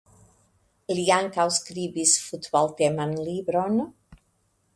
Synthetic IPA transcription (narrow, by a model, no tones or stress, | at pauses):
eliaŋkawskɾibisfut̪bɔlt̪ɛmanlibɾon